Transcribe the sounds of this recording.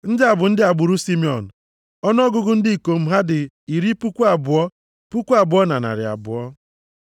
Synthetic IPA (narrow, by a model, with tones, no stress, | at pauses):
n̩˦dɪ˦a˨bʊ˨n̩˦dɪ˦a˨ɡ͡bʊ˨ɾu˦si˦mi˦ɔ̰˨n̩˨ | ɔ˦n˦ɔ˦ɡʊ˦ɡʊ˦n̩˦di˦i˨ko˨m̩˦ɦa˦dɪ˨ | i˨ɾi˦pu˦kʷu˦a˨bʊ˨ɔ˦ | pu˦kʷu˦a˨bʊ˨ɔ˦na̰˨na̰˨ɾɪ̰˨a̰˨bʊ̰˨ɔ˦